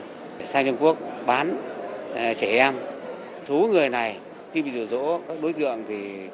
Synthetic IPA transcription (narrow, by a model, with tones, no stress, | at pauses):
saː˧ŋt͡ɕə˧wŋ͡mku˦˥ək̚ɓaː˨˦n˨ | t͡ɕe˧˩ʔɛ˧m | t̪ʰu˨˦ŋɨ˨˩əjna˨˩j | xi˧ɓa˧zu˨˩zo̰˧˥kaː˦˥k̚ɗo˨˦jt̪ɨ̰˧˨əŋt̪ʰi˨˩